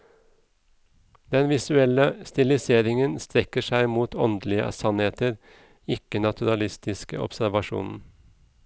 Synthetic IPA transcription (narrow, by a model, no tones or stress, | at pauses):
d̪̥ɛnʋɪsʉɛləst̪ɪlɪseːɾɪŋənst̪ɾɛkəʃæɪmuːt̪ʰɔnd̪lɪə̰sɑnheːt̪əɾ | ɪkənɑt̪ʰʉɾɑlɪst̪ɪskə̰ʔɔ̰psæɾʋɑʃṵːnn̩